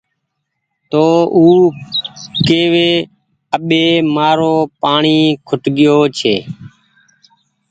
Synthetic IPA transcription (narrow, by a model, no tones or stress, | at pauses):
t̪oːuː | keːʋeː | əɓeːmaːɾoːpaːɳiːkʰʊʈɠɪjoːt͡ʃʰḛː